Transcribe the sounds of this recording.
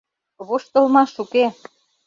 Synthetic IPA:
βoʃt̪ŏlmɑʃuke

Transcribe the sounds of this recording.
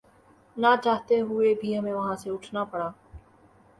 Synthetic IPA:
nat͡ʃaːɦt̪eɦʊebʱiɦɐmẽʋɐɦãseʊʈʰnapɐɽaː

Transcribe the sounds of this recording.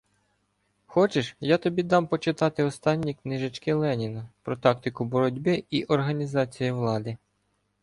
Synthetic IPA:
xɔt͡ʃɪʃjat̪ɔbʲid̪ɑmpɔt͡ʃɪt̪ɑt̪ɪɔst̪ɑnʲːiknɪʒɐt͡ʃkɪlˠɛnʲinɐpɾɔt̪ɑk̚t̪ɪkʊbɔɾɔdʲbɪiʔɔrɦɐnʲizɑt͡sʲijiʋlˠɑd̪ɪ

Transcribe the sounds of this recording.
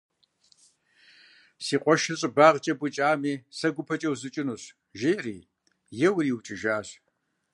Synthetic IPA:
siːqʷʼɔʃɪrɕʼbaːʁt͡ʃʼɐbʷʊt͡ʃʼaːmiːsɐɡʷʊpʰɐt͡ʃʼɐwzɨt͡ʃʼɪnuɕ | ʒeːrḭː | jɛwriːwt͡ʃʼɪʒaːɕ

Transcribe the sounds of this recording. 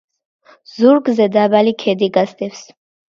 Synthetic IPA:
zuɾɡzɛd̪abalikʰɛd̪iɡasd̪ɛfs

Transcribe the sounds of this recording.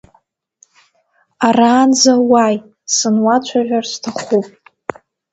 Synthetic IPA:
araːnzawaj | sɨnwat͡ɕʷʰaʒᶣarstʰaχupʼ

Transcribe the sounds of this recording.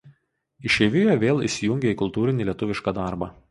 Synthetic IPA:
ɪʃʲɛʋʲɪjoʋʲeːlˠḭˑsʲɪjʊŋʲɡʲeiːˑkʊlˠt̪uːɾʲɪnʲilʲiɛt̪ʊʋʲɪʃkɐːd̪ɑˑɾbɑː

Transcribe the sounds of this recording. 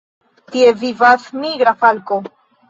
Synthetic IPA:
t̪ievivasmiɡɾafalko

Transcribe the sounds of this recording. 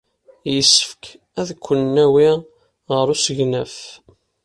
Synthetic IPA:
jəsːə̥fk | æðkʷːənːæwi | ʁəɾusəʝnəf

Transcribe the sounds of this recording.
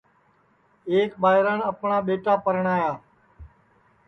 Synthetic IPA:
eːkɓaːɦɪɾəɳəpɳaːɓeːʈaːpəɾəɳ̃aːjaː

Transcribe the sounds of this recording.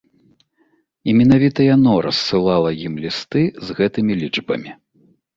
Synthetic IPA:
imʲɛn̪avʲit̪ɐjanɔɾɐ̰sːɨlˠalˠɐjimlʲist̪ɨzɣɛt̪ɨmʲilʲid͡ʐbɐ̰mʲi

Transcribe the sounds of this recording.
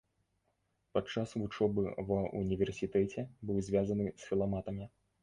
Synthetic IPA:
pat̪t͡ʂasvut͡ʂɔbɨvɐṵnʲivʲɛrsʲit̪ɛt͡sʲɛbɨwzʲvʲazɐnɨsʲfʲilˠamat̪ɐmʲi

